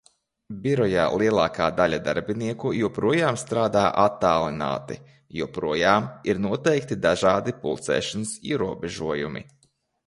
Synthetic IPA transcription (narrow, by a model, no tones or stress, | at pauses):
bʲiɾɔja̰ːlˠiɛlˠaːkaːd̪alʲad̪a̰ɾbiniɛkujuɔpɾuɔjaːmst̪ɾaːd̪aːʔat̪ːaːlˠina̰ːt̪ḭ | juɔpɾuɔjaːmiɾnuɔt̪ɛjkt̪id̪aʒaːd̪ipṵlˠt̪sɛ̰ːʃansḭɛɾuɔbʲɛʒuɔjṵmḭ